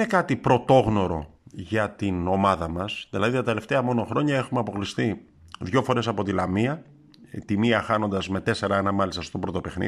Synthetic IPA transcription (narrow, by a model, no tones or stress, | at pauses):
nekɐt̪ipɾo̞t̪o̞ɣno̞ɾo̞̰ʝɐt̪ino̞mɐðɐmɐsðilɐðit̪ɐt̪e̞le̞ft̪eɐmo̞no̞xɾo̞ɲɐe̞xumeɐpo̞klist̪i | ðʝo̞fo̞ɾe̞sɐpo̞t̪ilɐmiɐ | t̪imiɐxɐno̞nd̪ɐzme̞t̪e̞se̞ɾɐenɐmɐlist̪ɐst̪o̞pɾo̞t̪o̞pe̞xnḭ